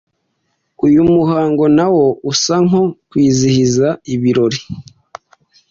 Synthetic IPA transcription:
ujumuhaːŋɡo̞nawo̞usaŋho̞kwiːzihizaiβiɾo̞ɾi

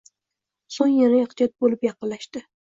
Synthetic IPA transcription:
soŋjanajɑqt͡ʃʰat̪̚bolɪpjɑqɨllːaʃt̪ɪ

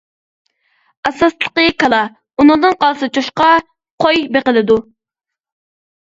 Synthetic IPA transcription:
ɑsɑslˠəqəkʰɑlˠɑ | unɨŋd̪ɨnqɑlˠsɨt͡ʃʰoʃqɑ | qʰojbeqəlɨd̪u

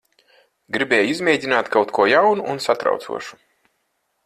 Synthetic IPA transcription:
ɡɾibʲɛːjizmʲɛːd̪ʲinaːt̪kawt̪kuɔjawnuʔunsat̪ɾa̰wt̪sṵɔʃu̥

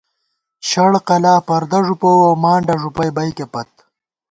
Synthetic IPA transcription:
ʃɐɽqɐlaːpɐɾd̪ɐʐupowawmaːɳɖɐʐupɐjbɐjkepɐt̪̚

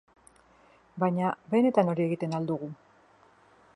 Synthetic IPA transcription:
bajɲabe̞ne̞t̪ano̞ɾie̞ɣit̪e̞nald̪uɣ̞u

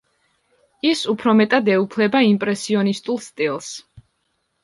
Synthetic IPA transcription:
isupʰɾɔmɛt̪ʼad̪ɛupʰlɛbaimpʼɾɛsiɔnist̪ʼulˠst̪ʼilˠs

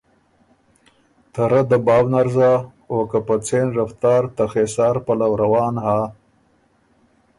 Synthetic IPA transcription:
t̪aɾad̪əbɑːwnaɾzaː | wokapat͡seːnɾaft̪ɑːɾt̪axesɑːɾpalawɾawɑːnhaː

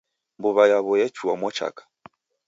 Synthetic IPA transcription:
mbuβajaβɔjɛt͡ʃuamɔt͡ʃa̰kḁ

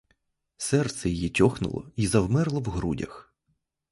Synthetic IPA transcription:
sɛrt̪sɛjɔjitʲɔxnʊ̰lˠɔ̰izɐwmɛrlˠɔwɦɾudʲɐ̰x

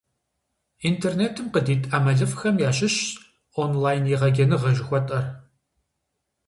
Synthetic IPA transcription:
intʰeːrneːtʰɨmqədiːtʼaːmɐɮɨfxɐmjaːɕʼɪɕ | onlaːjnjɛʁɐɡʲɐnɨʁɐʒɪxʷɔtʼɐr

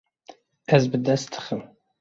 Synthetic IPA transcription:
æzbɨd̪ɐstʰɨ̥χəm

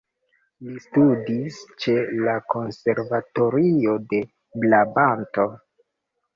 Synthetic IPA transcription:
listudist͡ʃe̞lako̞nse̞ɾvato̞ɾio̞de̞ | blabanto̞

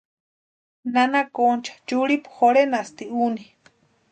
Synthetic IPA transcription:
nanakont͡ʃʰḁt͡ʃuɽipu̥xoɾenast̪iuni

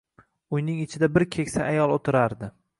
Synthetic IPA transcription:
ʊjnɪŋɪt͡ʃʰɪd̪abɪɾkʲʰe̞kʲsaʔajɒlˠot̪ʰɪɾaɾd̪ɪ

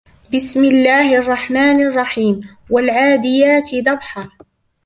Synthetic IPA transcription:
bɪsmɪlːaːhɪʔɑrˤːɑħmaːnʔɑrˤːɑħiːm | walʕaːd̪ɪjaːt̪ɪd̪ɑbħɑˤ

